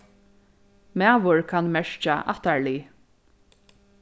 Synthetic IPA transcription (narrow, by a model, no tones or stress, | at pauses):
mæːʋʊɹkʰanmɛɹt͡ʃa̰ʔa̰t̪aɹliː